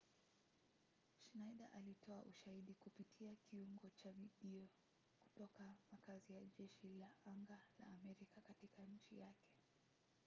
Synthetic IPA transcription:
ʃnaiɗa̰ʔalitʰɔaʔuʃahiɗikupitʰiakiuŋɡɔt͡ʃaviɗiɔ | ku̥tɔkamakazijaʄɛʃilaʔaŋɡala̰ːmɛɾikakatikaɲ̩t͡ʃijakɛ̥

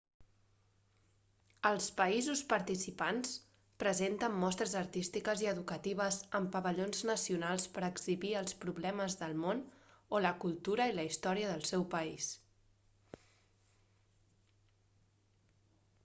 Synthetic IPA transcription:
əlˠspəizuspəɾt̪isipans | pɾəzent̪əmːɔst̪ɾəzəɾt̪ist̪ikəziəðukət̪iβ̞əzəmpəβəʎonznəsiunalˠspəɾəɡziβiəlˠspɾuβlɛməzðəlˠmonoləkulˠt̪uɾəiləist̪ɔɾiəðəlˠsɛwpəis

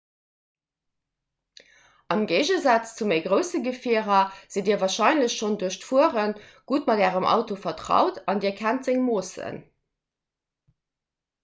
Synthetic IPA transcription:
ʔɑmɡeɪʒəzɑt͡st͡sumeɪɡʁəʊsəɡəfiəʁɐz̥idiːɐvɑːʃɑɪnləɕʃonduɐɕtfuəʁənɡ̥utmɑdæːʁəmʔɑ̰ʊtofɐtʁɑ̰ʊtʰɑndiːɐkʰæntz̥eŋmoːsə̰n

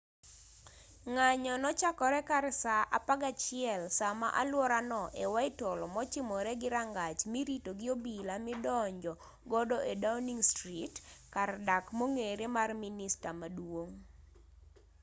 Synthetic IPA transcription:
ŋaɲɔnɔt͡ʃakɔɾɛkaɾsaʔapaɡat͡ʃɪɛlsama̰ʔalwɔɾanɔʔewaɪtolɔmɔt͡ʃɪmɔɾɛɡɪɾaŋɡat͡ʃmiɾitoɡɪobilamɪdɔɲd͡ʒɔ | ɡɔdɔʔedaniŋstɾitkardakmoŋeɾemarministamadwoŋ

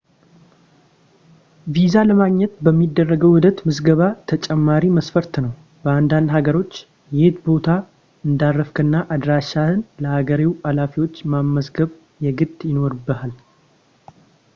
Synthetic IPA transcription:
vizaləmaɡɲɛt̪bəmːid̪ːərːəɡəwhʊd̪ət̪mɨsɡəβat̪ʰət͡ʃʼɛmːaɾiməsfəɾt̪nəw | b̥əand̪and̪haɡəɾo̞t͡ʃː | jɪht̪bo̞t̪ʰa | ɨnd̪arːəfkʰɨnːaʔad̪ɾaʃahɨnləhaɡəɾiwalafiwo̞t͡ʃːmamːəsɡəβ | jɛɡɨt̪ʼjɪno̞ɾbəhal

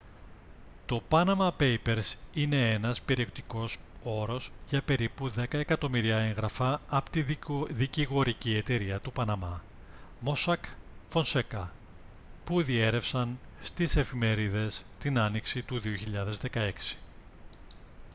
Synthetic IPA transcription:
t̪o̞pɐnɐmɐpe̞jpe̞ɾsine̞enɐspe̞ɾio̞kt̪i̥ko̞so̞ɾo̞sʝɐpe̞ɾipuðe̞kɐe̞kɐt̪o̞miɾiɐe̞ŋɣɾɐfɐːpot̪iðiciɣo̞ɾicie̞t̪e̞ɾiɐt̪upɐnɐmɐ | mo̞sɐkfo̞nse̞kɐ | puðie̞ɾe̞fsɐnst̪ise̞fime̞ɾiðe̞st̪inɐniksit̪uðio̞çiʎɐðe̞zðe̞kɐe̞ksi̥

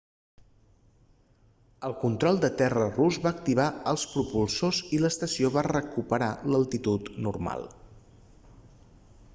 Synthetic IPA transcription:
əlˠkunt̪ɾɔlˠd̪ət̪ɛrəruzβaək̚t̪iβ̞aəlˠspɾupulˠsoziləst̪əsioβarəkupəɾaləlˠt̪it̪ut̪nurma̰lˠ

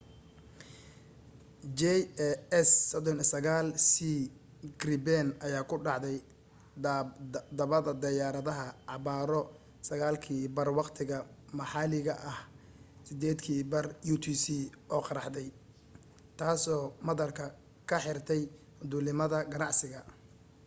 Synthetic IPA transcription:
d͡ʒɛɛssɔd̪ɔnisɐɣaːlsiː | ɡrɪbɛnʔɐjaːkʰʊɖɑʕðɛj | d̪ɐβɐðɐd̪ɐjaːɾɐðɐɦɐʕɑβaːɾɔ | sɐɣaːlkʰiːbɐrwɑqt̪ʰɪɣɐmɐħɑːlɪɣɐʔɐh | sɪd̪ɛːd̪kʰiːbɐrjut̪ʰiːsiːʔɔːqɑɾɑħd̪ɛj | t̪ʰaːsɔːmɐðɐrkʰɐ | kʰɐħɪrt̪ʰɛj | d̪uːlɪmɐðɐɡɐnɑʕsɪɣɐ

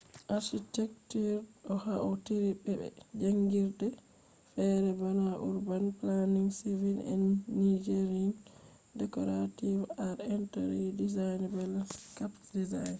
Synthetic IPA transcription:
ʔaɾʃitɛk̚tiɾɔhaʔɔtiɾibɛbɛ̰d͡ʒaŋɡiɾdɛ | fɛɾɛbanaʔṵɾbanplaniŋsivilɛ̰nːid͡ʒeɾin | dɛkɔɾativaɾɛntaɾidizajnbɛlkapdizajn

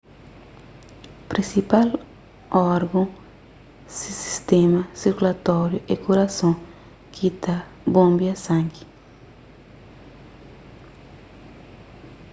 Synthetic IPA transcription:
pɾĩsipal | ɔɾɡõ | sisi̥st̪ɛmɐsiɾkulɐt̪ɔɾjuʔekuɾɐsõ | kʰit̪a | bõmbjɐsãŋɡi̥

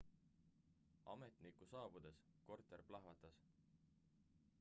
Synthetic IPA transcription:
ɑ̰met̪nikusɑːb̥ud̪̥e̞sko̞rt̪ˑe̞rplɑɦvɑt̪ːˑɑs

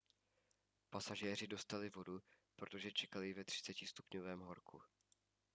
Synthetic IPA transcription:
pasaʒɛːr̝ɪdo̞st̪alɪvo̞dupɾot̪o̞ʒɛt͡ʃɛkalɪvɛt̪r̝̥ɪ̥t͡sɛcɪst̪u̥pɲovɛːmɦo̞ɾkʰu

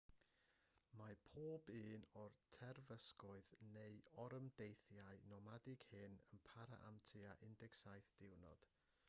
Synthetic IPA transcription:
mapʰoːbɨːnɔrtʰɛrvəskʊɨðneɨɔɾəmdejθjaɨnɔmadɪɡ̥hɨnənpʰaɾa̰ʔa̰mtʰɨaʔɪndɛksajθd̥ɪwnɔ̰d̥

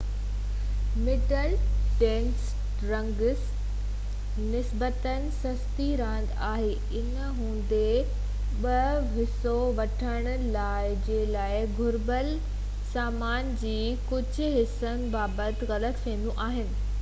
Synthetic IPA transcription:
mɪʈəlʈẽːns | ɾɐ̃ŋɡs | nɪsbət̪ənɪ̆sɐst̪iɾãːn̆d̪aːɦe | ɪnəɦũːn̆d̪e | ɓɐʋɪsoʋɐʈʰəɽ̃ʊlaːɪd͡ʑeːlaːɪɡʱʊɾbəl | saːmaːnd͡ʑiː | kʊd͡ʑʱʊ̆ɦɪsənɪ̆baːbət̪ɪɣɐlət̪pʰẽːn̆d̪ũʔaːɦɪnɪ̆

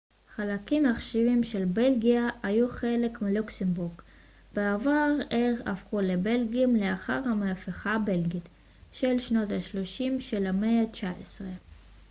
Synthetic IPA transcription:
χalakimaχʃivimʃelbe̞lɡiaajuχe̞le̞kmiluksembuʁɡ | beavaʁeʁa̰fχulebe̞lɡiimleaχaʁhamaafeχabe̞lɡit | ʃe̞lʃno̞thaʃlo̞ʃimʃelameat͡ʃaʔesʁe

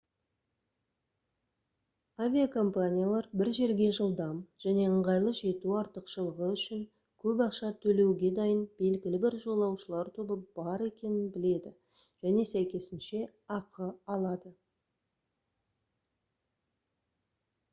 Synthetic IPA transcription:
avʲijakʰo̞mpanʲijalˠɑɾbɪɾʒe̞ɾɡʲe̞ʒəlˠd̪ɑmʒ̥æne̞əɴʁɑjlˠəʒe̞t̪uɑɾt̪əqʃəlˠəʁəʏʃɪŋ | kʲʰɵpɑqʃɑt̪ʰɵle̞wɡʲe̞d̪ɑjənbe̞lɡʲɪlɪbɪɾʒo̞lˠɑwʃəlˠɑɾt̪ʰo̞bəb̥ɑɾe̞kʲe̞nɪnbɪle̞d̪ɪ | ʒ̥æne̞sæjkʲe̞sɪnʃe̞ | ɑqʰəɑlˠɑd̪ə

